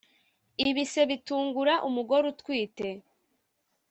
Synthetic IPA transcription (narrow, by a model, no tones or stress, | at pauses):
iβise̞βituːŋɡuɾaʔumuɡo̞ɾutkwiːte̞